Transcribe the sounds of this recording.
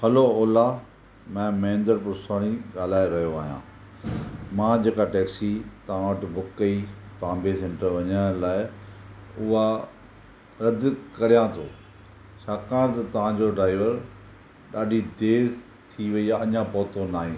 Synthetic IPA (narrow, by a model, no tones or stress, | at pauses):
hɐloɔːla | mɛ̃ːmɐɪ̃nd̪əɾpʊɾsaːɽ̃iɠaːl̤aːeɾɐɦijoaːɦijã̰ː | mãːd͡ʑeːkaʈeːksit̪ɐʋãʋəʈbʱʊkəipãːmbesẽɳʈəɾʋɐɲə̃laːɪ | ʊɦa | ɾɐd̪kɐɾijãt̪ʰo̰ː | ʃʰaːkaːɾ̃t̪ɐt̪ɐʋ̤ãd͡ʑoɖɾaːɪʋəɾ | ɗaːɖʱid̪eːɾ | t̪ʰiʋɐijaɐɲãpɔːt̪onaːɦĩː